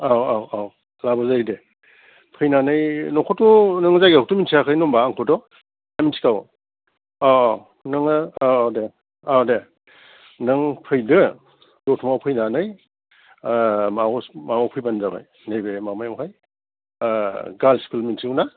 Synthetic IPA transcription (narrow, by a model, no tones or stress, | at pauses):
awawaw | labazajde | pʰɯjnanɯjnɔkʰɔtːunɯŋzajɡauk̚tuminsʰijakʰɯjnɔmbaːŋkʰɔdɔ | aminsi̥kaw | a | nɯŋaawde | awde | nɯŋpʰɯjdɯ | dɔtʰumawpʰɯjnanɯj | mamamawpʰɯjbanzaba̰j | nejbemamajamkʰaj | ɡalskulminsʰiuna